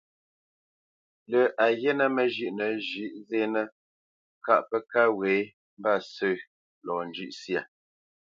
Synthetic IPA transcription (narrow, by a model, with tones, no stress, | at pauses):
lə˨ʔa˨jɛ˦nə˦mə˨ʒʉ˨ʔnə˨˦ʒʉ˦˨ʔze˦nə˦ | ka̰˦˨ʔpə˦ka˦we˨˦ | m̩˦ba˦˨sə˦˨ | lɔ˨n̩˨d͡ʒʉ˦ʔsja˨